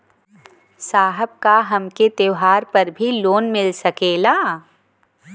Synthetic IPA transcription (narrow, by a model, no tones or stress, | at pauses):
saːɦəb̚kaɦɐmket̪eʋɦaːɾpɐɾbʱiloːnmɪlsɐkeːlaː